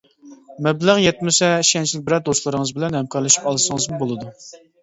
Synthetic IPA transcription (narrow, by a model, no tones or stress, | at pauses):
mɛblæʁjɛt̪̚mɪsɛiʃɛnt͡ʃʰilɪk̚ʲbɪɾɛd̪ost̪lˠɨɾɨŋɨzbɪlɛnhɛmkʰɑɾlˠɨʃy̥pɑlˠɨʃəŋɨzmubolˠɨd̪u